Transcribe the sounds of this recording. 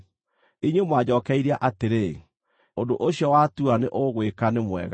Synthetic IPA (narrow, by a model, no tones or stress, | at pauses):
iɲwemwad͡ʑɔːkɛiɾeaʔateɾe | ondoʔoɕjɔwatuaneʔoɣwekanemwɛ̰ɣa